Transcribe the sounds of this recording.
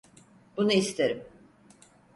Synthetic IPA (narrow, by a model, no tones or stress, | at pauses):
b̥unɯist̪ʰeɾim